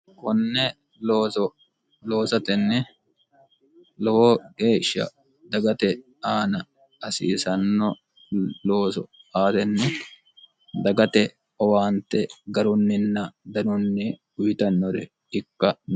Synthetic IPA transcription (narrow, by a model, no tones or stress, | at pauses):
kɔnːɛ | loːɔ | lo̞ːsɐt̪ɛnːɛ | lɔwɔɡeːʃːɐ̰ | d̪ɐɡɐt̪ɛ | aːnɐ | ɐsḭːsɐnːɔ | loːsɔ̰aːt̪ɛnːɛ | d̪ɐɡɐt̪ɛ | ɔwaːnt̪ɛɡɐɾʊnːɪnːɐd̪ɐnʊnːɪ | ʊjɪt̪ɐnːɔɾɛ | ɪkːɐn